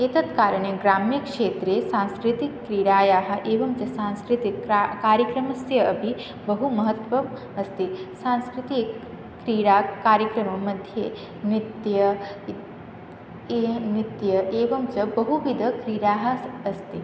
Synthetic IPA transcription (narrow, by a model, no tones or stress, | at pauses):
eːt̪ɐt̪kaːɾɐɳeɡɾaːmjɐkʂeːt̪ɾeːsaːnskɾit̪ikːɾiːɾaːjaːɦɐ̆ʔeːʋɐmt͡ʃɐsaːnskɾit̪ikkaːɾjɐkɾɐmɐsjɐɐbʱi | bɐɦumɐɦɐt̪ʋɐm | ɐst̪isaːnskɾit̪i | kɾiːɾaːkaːɾjɐkɾɐmɐmɐd̪ʱjeː | nit̪jɐ | nit̪jɐʔeːʋɐmt͡ʃɐbɐɦuʋid̪ʱɐkɾiːɾaːɦɐ̆ːst̪i